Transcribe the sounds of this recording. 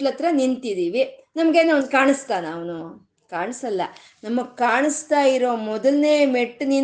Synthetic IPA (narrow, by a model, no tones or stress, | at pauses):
lɐt̪ɾɐnint̪id̪iːʋinɐmɐɡeːnɐnkaːɳɨst̪aːnaːʋnu | kaːɳsɐlːɐ̰ | nɐmːɐkaːɳɨst̪aːjiɾo̞ːmɔd̪ɐlneːmeʈːnin